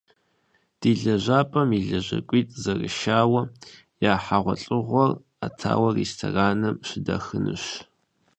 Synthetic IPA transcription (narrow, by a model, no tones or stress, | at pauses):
d̥iːɮɐʑaːpʼɐmiɮɐʑɐ̰kʷʼiːtʼzɐrɨ̰ʃaːwɐ | jaːħaʁʷɔɬʼɨʁʷɔr | atʰa̰ːwɐrḛstʰoraːnɐmɕɪdɐ̰xɨnɨ̰ɕ